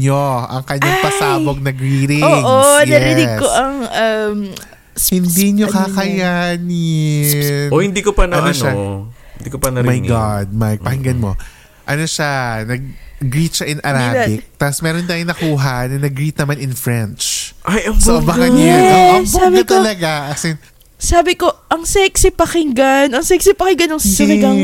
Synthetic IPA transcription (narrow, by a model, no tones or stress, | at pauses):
ɲoʔɐŋkɐɲːaŋŋpɐsaːboɡ̚nɐɡɾiːɾɪoŋʔojnɐɛɾɪnɪɡsoʔɐŋʔɐm | hɪnd̪iɲokakɐjanɪ | nohɪ̃nd̪ikopɐnɐnoʃaɪnd̪ikopɐnɐmɐjɡad̪̚mɐjpɐhɪŋɡɐnmo̞ | ʔɐnoʃanɐɡ̚ɡɾiːt̪̚ʃaʔɪnɐɾabɪk̚t̪asmɛːɾont̪aːjoŋnɐkuːɦɐnɐnɐɡɾiːt̪̚nɐmanɪnfɹɛnt͡ʃʔajɐŋsʔobɐkanɪoosabɪk̪ɐlɐɡaʔɐksɛn | saːbɪko̞ʔɐŋsɛksɪpɐkɪŋɡanɐŋsɛksɪpɐkɪŋɡɐnɐŋsɐlɐɡɐ